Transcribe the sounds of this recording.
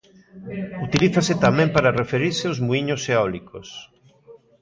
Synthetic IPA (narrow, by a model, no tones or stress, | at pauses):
ut̪iliθaset̪amɛ̃mpaɾarefeɾiɾseozmuiɲoseɔlikos